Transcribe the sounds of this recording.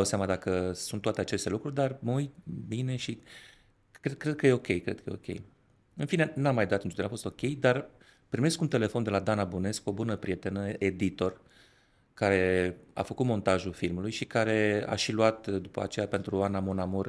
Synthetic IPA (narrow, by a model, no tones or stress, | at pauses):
awseamad̪akəsunt̪ːoat̪eat͡ʃe̞st̪e̞lukɾurʲd̪arməuj̪bine̞ʃi | kɾed̪̚kɾe̞d̪̚kəje̞o̞kʲe̞jkɾe̞d̪kʰəjeo̞kʲe̞̰j | ɨnfine̞namːajd̪oat̪ɨnt͡ʃud̪enafo̞st̪o̞kʲe̞jd̪ar | pɾime̞skunt̪e̞le̞fo̞nd̪e̞lad̪anabune̞sko̞bunəpɾije̞t̪e̞nəʔe̞d̪it̪o̞r | kaɾe̞a̰fəkut̪mo̞nt̪aʒulfilmulujʃikaɾe̞a̰ʃiluat̪d̪upə̰a̰t͡ʃe̞jape̞nt̪ɾuanːamonamor